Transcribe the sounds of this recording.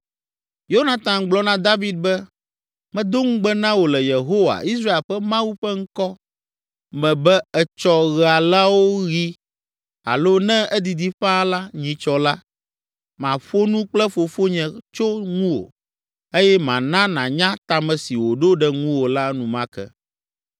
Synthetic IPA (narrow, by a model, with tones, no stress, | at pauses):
jo˦nã˨t̪ã˨ɡ͡blɔ˦nã˦d̪a˦vi˦d̪̚bɛ˦ | mɛ̃˦d̪o˦ŋũ˦ɡ͡bɛ˦nã˦wo˨lɛ˨je˨ɦo˦wa̰˨i˦sɾa˦e˨lɸɛ˦mã˦wu˦ɸɛ˦ŋ̩˦kɔ˦ | mɛ̃˨bɛ˦ɛ˨t͡ʃɔ˦ɣa˨la˦wo˦ɣi˦ | a̰˨lo˦nɛ̃˦ɛ˦d̪i˨d̪i˦ɸã˦la˦ɲĩ˨t͡ʃɔ˨la˦ | mã˨ɸo˦nũ˦k͡plɛ˦fo˨fo˦ɲɛ̃˨t͡ʃo˦ŋũ˦wo̰˨ | e˦jɛ˦mã̰˨nã˦nã˨ɲã˦t̪a˨mɛ̃˨si˨wo˨ɖo˦ɖɛ˦ŋũ˦wo˨la˦nũ˨mã˦kɛ̰˦